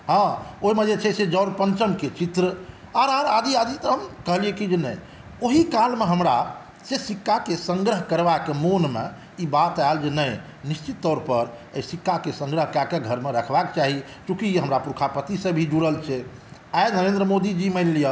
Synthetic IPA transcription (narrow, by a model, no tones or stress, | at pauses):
ɦãoɦimed͡ʒet͡ʃʰɛsed͡ʒəʊɾpəɲt͡ʃəmket͡ʃit̪ɾə | aɾaɾad̪iad̪it̪əɦəmkəɦliekid͡ʒenəj | oɦikalmeɦəmɾa | sesikːakesə̃ŋɡɾəɦkəɾbakemonme | ibat̪aeld͡ʒenəj | nist͡ʃit̪ːɔɾpəɾesikːakesə̃ŋɡɾəɦkakeɡʱəɾmeɾəkʰbakt͡ʃaɦi | t͡ʃũkiɦəmɾapuɾkʰapət̪isə̃bʱid͡ʒuɽəlt͡ʃʰɛ | ajnəɾend̪ɾəmod̪id͡ʒimənlijə